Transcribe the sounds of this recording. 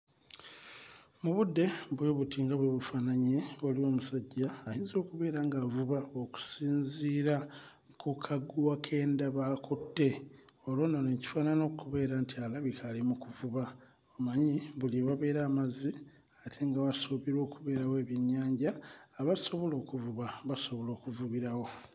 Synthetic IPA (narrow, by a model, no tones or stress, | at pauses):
muβudːe̞bwe̞ːβutiŋɡaβweβufaːnaɲe̞olio̞ːmusaɟːaːjiːnzo̞ːkuβe̞ːɾaːŋɡaːvuβaoku̥siːnziːɾa | kʰukʰaɡuwakʰe̞ːndaβaːkʰotːe̞olwo̞naneci̥faːnano̞kuβe̞ːɾantialaβikʰalimukuvuβa | omaɲiβuliβaβe̞ːɾaːmazi | atʰe̞ŋɡawasoβiɾo̞ːkuβe̞ːɾawe̞ːβjiɲːaːɲɟaːβaso̞βo̞lo̞ːkuvuβaβaso̞βo̞lo̞ːkuvuβiɾawo̞